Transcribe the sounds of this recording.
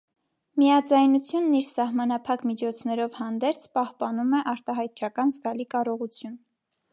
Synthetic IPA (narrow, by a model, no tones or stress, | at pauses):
miɑd͡zɑjnut͡sʰjunːiɾsɑhmɑnɑpʰɑkmit͡ʃʰɔt͡sʰnɛɾɔvhɑnd̪ɛɾt͡sʰpɑhpɑnumɛʔɑɾt̪ɑɦɑjt̪̚t͡ʃʰɑkɑnzɡɑlikɑɾɔʁut͡sʰjun